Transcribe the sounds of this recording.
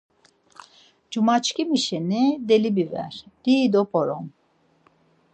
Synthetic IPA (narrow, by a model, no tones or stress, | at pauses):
d͡ʒumat͡ʃkimiʃenid̪elibivɛ̰ɾd̪̥id̪opʰoɾom